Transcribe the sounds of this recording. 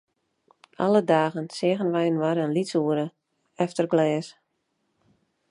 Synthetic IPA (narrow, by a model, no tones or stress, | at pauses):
ʔa̰lədaːɣənsɪəɣənʋɛjənʋaɾənlisuəɾə | ɛftərɡlɛːs